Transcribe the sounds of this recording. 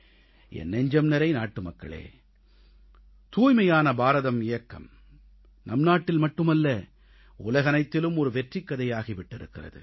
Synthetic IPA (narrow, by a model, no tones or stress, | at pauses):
ʔɛ̰nːɛɲd͡ʒɐmnɐɾɐɪnaːʈːɯmɐkːɐ̰ɭḛː | t̪uːjmɐjaːnɐbaːɾɐðɐmɪjɐkːɐ̰m | nɐmnaːʈːɪlmɐʈːɯmɐlːɐ | ʊlɐɣɐnɐɪt̪ːɪlɯmɔɾɯʋɛʈrɪkːɐðɐjaːɣiʋɪʈːɪɾɯkːɪrɐ̰ðɯ̰